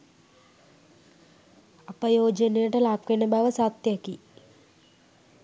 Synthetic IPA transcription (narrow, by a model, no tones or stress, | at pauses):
ɐpɐjoːd͡ʒɐnejɐʈɐlaːp̚kenɐbʱaːʋɐsaːt̪jɐki